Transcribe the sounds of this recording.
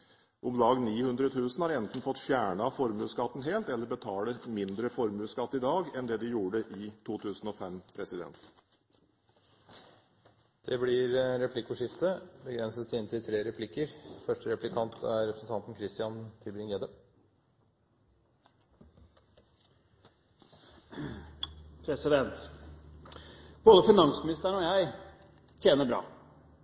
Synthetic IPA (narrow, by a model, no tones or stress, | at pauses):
ʔʊmlɑːɡniːhʉnd̪ɾət̪ʰʉːsn̩hɑːɾɛnt̪n̩fɔt̪ːfjæːɳɑfɔɾmʉːskɑt̪ːn̩ɦeːlt̪ɛlːəɾbət̪ʰɑːləmɪnd̪ɾəfɔɾmʉːskɑt̪ːɪd̪ɑːɡɛnd̪ɛːd̪ɪjuːɖəʔɪt̪ʰuːt̪ʰʉːsn̩ɔfɛmpʰɾɛsɪd̪ɛ̰nt̪ | d̪̥ɛblɪɾɾɛpʰlɪkʊʂɪft̪əbəɡɾɛnsəst̪ʰɪnt̪ɪlt̪ʰɾeːɾɛpʰlɪkːəɾfœʂʈəɾɛplɪkʰɑnt̪ʰæ̰ɾɛpɾəsən̩t̪ʰɑnt̪n̩kʰɾɪst̪ɪɑnt̪ʰɪlbɾɪŋjeːd̪ə | pʰɾɛsɪd̪ɛnt̪ | b̥oːd̪əfɪnɑŋsmɪnɪst̪əɾɳɔːjæɪ | t̪ʰjeːnəbɾɑ̰ː